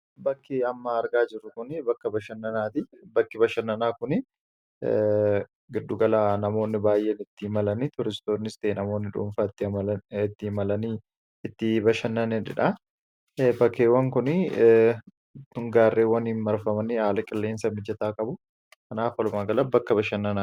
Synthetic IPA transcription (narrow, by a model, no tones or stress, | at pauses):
bɐkːɪɐmːaɐɾɡaːd͡ʒɪrːʊkʊnɪbɐkːɐbɐʃɐnːɐnaːt̪ɪbɐkːɪbɐʃɐnːɐnaːkʊnɪ | ɡɪd̪ːʊɡɐlaːnɐmo̞ːnːɪbaːjʔeːnɪt̪ːɪɪmɐlɐnit̪ʊɾɪst̪o̞ːnːɪst̪eːnɐmo̞ːnːɪᶑṵɱfɐt̪ːɪɐmɐlɐɪt̪ːɪɪmɐlɐniː | ɪt̪ːɪbɐʃɐnːɐnɛᶑɪ̰ᶑɐ | bɐkːeːwɐŋkʊnɪ | tʊŋɡaːrːeːwɐniːnmɐɾfɐmɐnɪhaːlɐkʼɪlːe̞ːnsɐmɪd͡ʒɐt̪aːkʼɐbʊ | kɐnaːfɐlʊmaːɡɐlɐbɐkːɐbɐʃɐnːɐnaː